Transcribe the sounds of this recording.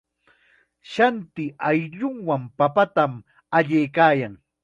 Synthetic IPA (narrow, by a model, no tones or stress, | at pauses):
ʃant̪ɪajʎʊŋwampapat̪am | aʎejkaːjaŋ